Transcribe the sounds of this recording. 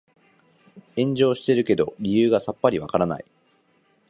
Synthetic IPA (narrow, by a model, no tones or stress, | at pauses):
ẽ̞ɲ̟d͡ʑo̞ːɕi̥t̪e̞ɾɯ̟ke̞d̪o̞ɾʲijɯːɡasapːaɾʲiβa̰kaɾana̰i